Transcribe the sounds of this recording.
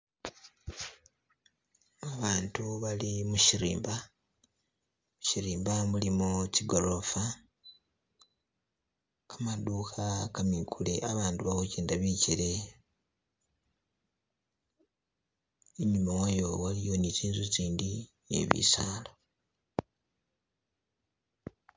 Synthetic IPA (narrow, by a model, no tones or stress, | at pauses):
aβaːntuβalimuʃiɾḭːmba | muʃiɾiːmbamulimuciɡo̞ɾo̞fa | kamaduːxakamikule̞ʔaβaːnduβahoceːndaβiciɾe̞ | eɲumawajo̞walijo̞niziːnzuziːndi | jḛβḭsaːlo